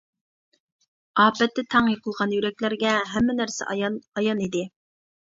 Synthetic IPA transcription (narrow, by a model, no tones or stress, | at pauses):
ɑːpɛt̪ːɛt̪ʰɑŋjəqʰəlˠʁɑnjyɾɛkʲlæɾɡʲɛɦɛmːɪnæɾsɛ̰ɑjɑnid̪ɪ